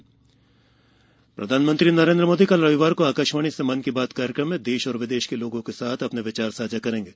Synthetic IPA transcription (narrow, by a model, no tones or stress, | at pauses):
pɾʔɐd̪ʱaːnmə̃nt̪ɾinɐɾẽːnd̪ɾəmoːd̪ikɐlɾɐʋɪʋaːɾkoaːkəʃmaːɽ̃isemɐnkibaːt̪kaːɾjəkɾəmːẽd̪eːʃɔːɾʋɪd̪eːʃkeloːɡõkesaːt̪ʰɐpneʋɪt͡ʃaːɾsaːd͡ʒakɐɾẽːŋɡeː